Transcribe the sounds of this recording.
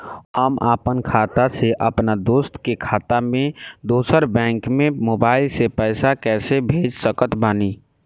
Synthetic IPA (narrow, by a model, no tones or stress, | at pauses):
ɦəma̰ːpənkʰaːt̪aseʔəpnad̪oːst̪kekʰaːt̪amẽd̪oːsəɾbɛ̃ːŋkmẽmoːbaːɪlsepɛɪsakɛːsebʱeːd͡ʒsəkət̪baːni